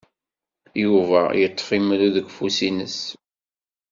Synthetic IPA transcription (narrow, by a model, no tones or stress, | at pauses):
juvæjət̪ˤːfimluðəɡʷfusinəs